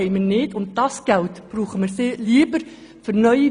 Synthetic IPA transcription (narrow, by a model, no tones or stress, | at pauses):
ɛɪmənɪtʊnt̚d̥ɑsɡ̥æltb̥ɾuːχəməɾseliəbəɾ | fʏɾnœʏi